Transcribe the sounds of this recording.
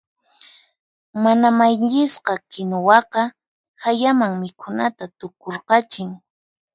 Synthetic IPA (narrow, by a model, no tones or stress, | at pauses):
manamajʎɪsqɑkɪnowɑqɑ | hajamaŋmɪkʰʊnat̪at̪ʊkoɾqɑt͡ʃɪŋ